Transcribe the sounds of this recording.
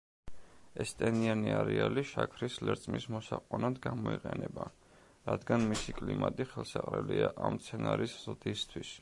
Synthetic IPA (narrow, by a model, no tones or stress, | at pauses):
ɛst̪ʼɛnianiaɾɛaliʃakʰɾislɛɾt̪sʼmismɔsaqʼɔnad̪ɡamɔiqʼɛnɛba | ɾad̪ɡanmisikʼlimat̪ʼiχɛlˠsaqʼɾɛliaʔamt̪sʰɛnaɾisz̥d̪ist̪ʰwis